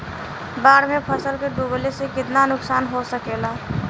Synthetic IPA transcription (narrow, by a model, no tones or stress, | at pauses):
baːɽmepʰəsəlkeɖublesekɪt̪nanʊksaːnɦosəkeːla